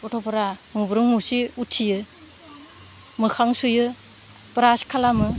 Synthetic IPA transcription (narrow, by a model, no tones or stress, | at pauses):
ɔtʰɔpʰaɾaŋubɾɯŋmusiutʰijɯ | mɯkʰaŋsujɯ | pɾaskʰalamɯ